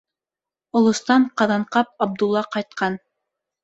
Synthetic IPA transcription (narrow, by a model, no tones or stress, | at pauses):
ŏlˠŏst̪ɑɴqɑðɑɴqɑp̚ɑb̚d̪ulˠːɑqɑjt̪̚qɑn